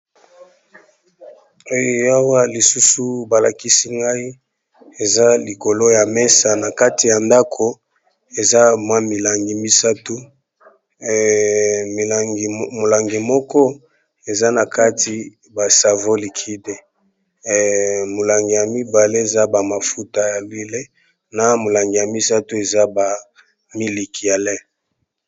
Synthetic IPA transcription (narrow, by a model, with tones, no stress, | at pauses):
o˦jo˨ja˦wa˦li˨su˦su˨ba˨la˨ki˦si˦ŋɡa˦i˦ | e˨za˦li˨ko˨lo˦ja˨me˦sa˨na˨ka˦ti˨ja˨nda˦kʰo˨ | e˨za˦mwa˦mi˨la˨ŋɡi˨mi˦sa˦tu˦˨ | ɡmo˨la˨ŋɡi˨mɔ˦kɔ˦ | e˨za˦na˨ka˦ti˨ | ba˨sa˨vo˦li˨kʰi˦de˨ | mo˨la˨ŋɡi˨ja˨mi˦ba˨le˦e˨za˦ba˨ma˨fu˦ta˦ja˨li˦le˦ | na˨mo˨la˨ŋɡi˨ja˨mi˦sa˦tu˦e˨za˦ba˨ | mi˦li˨ki˨a˨lɛ˦